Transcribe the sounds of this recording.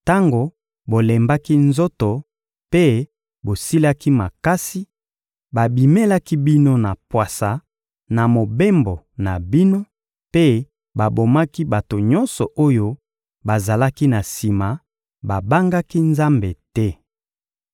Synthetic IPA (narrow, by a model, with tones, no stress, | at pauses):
ta˦ŋɡo˨ | bo˨lɛ˨mba˦ki˦nzo˦to˨ | pe˦ | bo˨si˦la˦ki˦ma˨ka˦si˦ | ba˨bi˨me˦la˦ki˦bi˦no˦na˨pwa˨sa˨ | na˨mo˨be˦mbo˨ | na˨bi˦no˦ | pe˦ | ba˨bo˨ma˦ki˦ba˨to˨ɲɔ˦nsɔ˨ʔo˦jo˦ | ba˨za˨la˦ki˦na˨si˨ma˨ | ba˨ba˦ŋɡa˦ki˦nza˦mbe˨tɛ˦